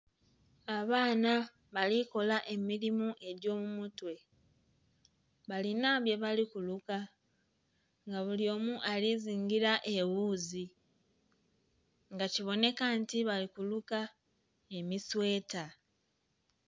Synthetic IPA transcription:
aβaːna | βaliko̞laʔe̞miɾimuʔe̞ɾjo̞ːmumutwe̞ | βalinaβje̞βalikuluka | ŋɡaβuljo̞ːmuʔaliziːŋɡiɾaʔe̞wuːzi | ŋɡaciβo̞ne̞kantiβalikuluka | e̞miswe̞ːta

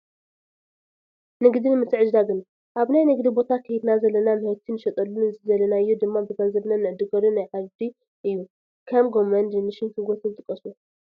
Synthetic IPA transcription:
nɨɡd̪inmɨst̪ɨʕɨʒd̪aɡɨn | ʔaβnajnɨɡd̪ibo̞t̪ʰakʰɐjid̪nazɐlːɐnamɨhɐt̪ʰinɨʃɐt̪ʼɐlːunɨzizɐlɐnaɨjːud̪ɨmːabɨɡɐnzɐβnanɨʕɨd̪ɨɡɐɾunajʕaβd̪i | ʔɨjːu | kʰɐmɡo̞mɐnd̪ɨnɨʃinkʰɨɡot̪ʰɨzɨt̪ʼɨkʼːɐsu

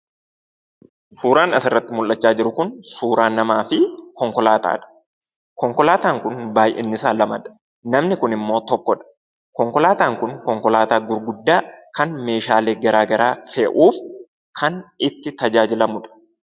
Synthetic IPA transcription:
suːɾaːnɐsɪrːɐt̪ːɪmʊlʔːɐt͡ʃːaːd͡ʒɪɾʊkʊnsuːɾaːnːɐmaːfɪkɔŋkɔlaːt̪a̰ːᶑɐ̥ | kɔŋkɔlaːt̪aːŋkʊnbaːjʔɛ̰nːɪsaːlɐmɐᶑɐ̥ | nɐmnɪkʊnɪmːo̞ːt̪ɔkːɔᶑɐ̥ | kɔŋkɔlaːt̪aːŋkʊnkɔŋkɔlaːt̪aːɡʊɾɡʊd̪ːaːkɐnme̞ːʃaːle̞ːɡɐɾaːɡɐɾaːfeːʔuːf | kʰɐnɪt̪ːɪt̪ɐd͡ʒaːd͡ʒɪlɐmʊᶑɐ̥

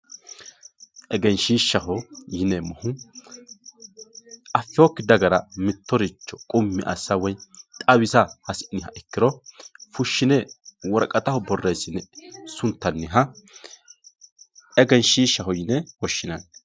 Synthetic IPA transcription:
ʔɛɡɛnʃiːʃɐɦɔjɪnɛmɔhʊ | ɐfɪoːkːɪd̪ɐɡɐɾɐmɪt̪ːɔɾɪt͡ʃːɔkʼʊmːɪʔɐ̰sːɐwɔjt̪ʼɐwɪsɐhɐsnɪɦɐʔɛkːɪɾɔfʊʃːɪnɛwɔɾkʼɐt̪ɐhɔbɔrːejsːɪnɛsʊnt̪ːɐnːɪɦɐ | ɛɡɛnʃiːʃɐɦɔjɪnɛwɔʃːɪnɐn

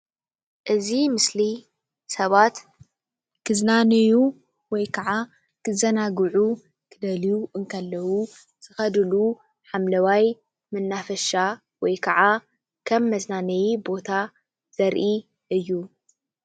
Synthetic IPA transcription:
ʔɨzimɨsli | sɐβat̪ | kʰɨznanɐju | wɔjkʰɐʕa | kʰɨzɐnaɡʕu | kʰɨd̪ɐlijuʔɨŋkʰɐlːɐwu | z̥ɨxɐd̪ɨlu | ħamlɐwaj | mɨnːafɐʃa | wɔjkʰɐʕa | kʰɐmːɐznanɐjibo̞t̪ʰa | z̥ɐɾʔi | ʔɨjːu

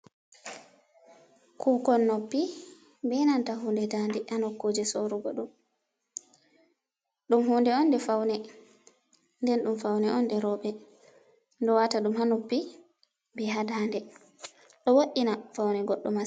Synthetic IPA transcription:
kʰuːkɔnːopːi | bɛnantaɦundɛdandɛʔanɔkːod͡ʒɛsoɾuɡɔ̰ɗum | ɗumɦuːndɛɔnːdɛfawnɛ | ndɛnɗumfawnɛʔɔndɛɾɔɓɛ | ndɔwataɗumhanopːi | bɛɦadaːndɛ | ɗɔwoʔːinafawnɛɡɔɗːɔma

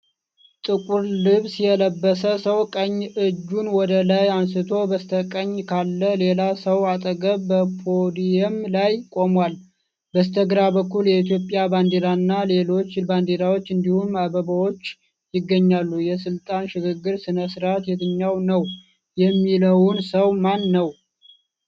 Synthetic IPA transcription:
t̪ʼɨkʼuɾlɨβsjɛləbːəsəsəwkʼəɲːɨd͡ʒːunwɔd̪əlajansɨt̪ʰo̞bəst̪ʰəkʼəɲːkʰalːəle̞lasəwat̪ʼəɡəβbəpʰod̪ijɛmlajkʼo̞mwal | bəst̪ʰəɡɾabəkːuljɛit̪ʰjo̞pʼːjaband̪elanːale̞lo̞t͡ʃːband̪eɾawo̞t͡ʃːɨnd̪ihumabəbawo̞t͡ʃː | jɪɡːəɲːalːujɛsɨlt̪ʼanʃɪɡɨɡːɨɾsɨnəsɨɾat̪jɛt̪ʰɨɲːawnəw | jɛmːiləwʊnsəwmanːəw

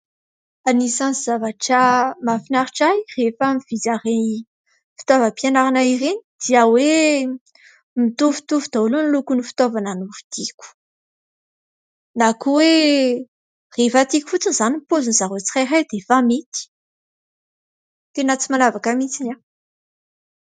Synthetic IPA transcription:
anisaniz̥avaʈ͡ʂamafinaɾiʈ͡ʂajrefamiv̥izaɾeni | fi̥t̪ovəpianaɾanaiɾenid̪̥iawe | mit̪uvu̥t̪uvud̪alunilukunifi̥t̪ovananufi̥d̪̥iku̥ | nakuwe | refat̪iku̥fut͡sinzanimpozunzaɾot͡si̥χaɾajd̪efamit̪i̥ | t̪enat͡simalavakamit͡sina

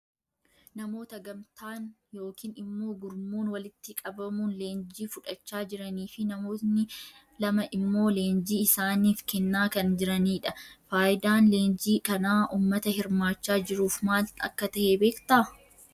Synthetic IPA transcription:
nɐmo̞ːt̪ɐɡɐmt̪ʰaːn | jo̞ːkiːnɪmːoːɡʊɾmoːnwɐlɪt̪ːɪkʼɐbɐmuːnle̞ːnd͡ʒiːfʊᶑɐt͡ʃːaːd͡ʒɪɾɐniːfɪnɐmo̞ːt̪nɪ | lɐmɐʔɪmːo̞ːleːnd͡ʒiːɪsaːniːfkɛnːaːkɐnd͡ʒɪɾɐniːᶑɐfaːjɪd̪aːnle̞ːnd͡ʒiːkɐnaːʔuːmːɐt̪ɐhɪɾmaːt͡ʃːaːd͡ʒɪɾuːfmaːlɐ̰kːɐt̪ɐheːbe̞ːkt̪ɐ

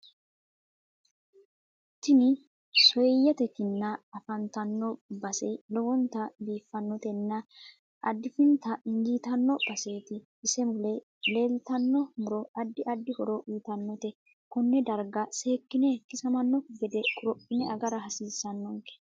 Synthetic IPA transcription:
t̪ːɪnɪ | sɔjjɛt̪ɛkɪnːɐːfɐnt̪ɐnːɔbɐsɛlɔwɔnt̪ɐbiːfːɐnːɔt̪ɛnːɐ | ʔɐd̪ːɪfɪnt̪ɐɪŋɡiːt̪ɐnːɔb̥ɐse̞ːt̪ɪː | sɛmʊlɛ | le̞ːlt̪ɐnːɔmʊɾɔɐd̪ːɪʔɐd̪ːɪhɔɾɔʔiːt̪ɐnːɔt̪ɛ | kɔnːɛd̪ɐɾɡɐseːkːɪnɛkːɪsɐmɐnːɔɡɛd̪ɛkʼʊɾɔpːɪnɛɐɡɐɾɐɦɐsiːsːɐnːɔŋke̥

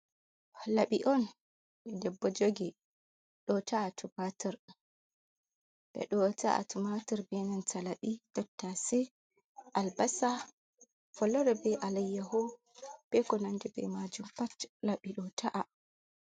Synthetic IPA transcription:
laɓiʔɔn | ɓɛdɛbːɔd͡ʒoɡi | ɗɔtaːtubatiɾ | ɓɛ̰ɗɔtaʔa̰tumatiɾbiɛnantʰalaɓitɔtːasɛ | ʔalbasa | fɔlɔɾɛbɛʔalajːahɔ | b̥ɛkɔnandɛbɛ̰mad͡ʒumpatlaɓiɗɔtʰaʔa

